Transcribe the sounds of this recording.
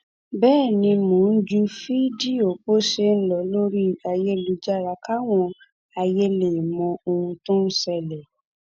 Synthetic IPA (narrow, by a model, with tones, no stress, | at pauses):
bɛː˦˨nĩ˧mõ˨˦n̩˦d͡ʒu˧fi˦di˦o˨k͡po˦ʃe˧˦n̩˦lɔ˨lo˦ɾi˦a˧jɛ˧lu˨˧d͡ʒa˦˨ɾa˧ka˦w̃ɔ̃˧ | a˧jɛ˧le˨mɔ̃˧o˧ũ˧tõ˦n̩˦sɛ˧˨lɛ˨